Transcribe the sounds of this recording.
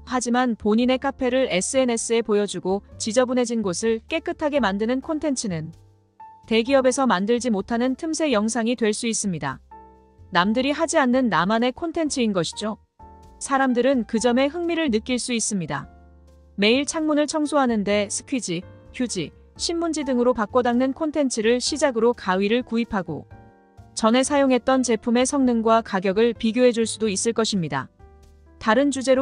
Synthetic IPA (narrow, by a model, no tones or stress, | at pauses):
had͡ʑimanpoɲine̞kʰapʰe̞ɾɯɭe̞s͈ɯe̞ne̞s͈ɯe̞pojʌd͡ʑuɡot͡ɕid͡ʑʌbune̞d͡ʑinɡosʰɯɭk͈e̞k͈ɯtʰaɡe̞mandɯnɯnkʰontʰe̞nt͡ɕʰɯnɯn | te̞ɡiʌbe̞sʰʌmandɯɭd͡ʑimotʰanɯntʰɯmsʰe̞jʌŋsʰaŋitwe̞ɭs͈uis͈ɯmɲida̰ | namdɯɾiɦad͡ʑianːɯnːamane̞kʰontʰe̞nt͡ɕʰɯinɡʌɕʰi̥d͡ʑo | sʰaɾamdɯɾɯnkɯd͡ʑʌme̞ɦɯŋmiɾɯɭnɯk͈iɭs͈uis͈ɯmɲida̰ | me̞iɭt͡ɕʰaŋmunɯɭt͡ɕʰʌŋsʰoɦanɯnde̞sʰɯ̥kʰɥid͡ʑikjud͡ʑi | ɕʰinmund͡ʑidɯŋɯɾopak͈odaŋnɯnkʰontʰe̞nt͡ɕʰɯɾɯɭɕʰid͡ʑaɡɯɾokaɥiɾɯɭkuipʰaɡo̰ | t͡ɕʌne̞sʰajoŋɦe̞t̚t͈ʌnt͡ɕe̞pʰume̞sʰʌŋnɯŋɡwakaɡjʌɡɯɭpiɡjoɦe̞d͡ʑuɭs͈udois͈ɯɭk͈ʌɕʰimɲida̰ | taɾɯnd͡ʑud͡ʑe̞ɾ